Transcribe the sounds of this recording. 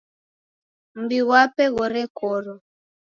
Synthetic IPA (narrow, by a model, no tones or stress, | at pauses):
m̩biɣwapɛɣɔɾɛkɔɾɔ